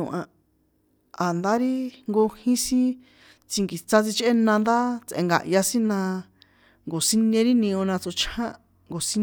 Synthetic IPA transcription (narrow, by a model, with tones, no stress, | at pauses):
ũ˨ʔã˧ | a˨nd̪a˦ɾi˦ŋɡo˧hĩ˦sĩ˦ | t͡si˧ŋɡi˨t͡sa˦t͡si˧t͡ʃʔe˦nã˧nd̪a˦t͡sʔḛ̃˧ŋɡa̰˨ʔja˧sĩ˦nã˧ | ŋɡo˨si˦nẽ˧ɾi˦nĩ˧õ˧nã˧t͡so˧t͡ʃʰhã˦ | ŋɡo˨si˦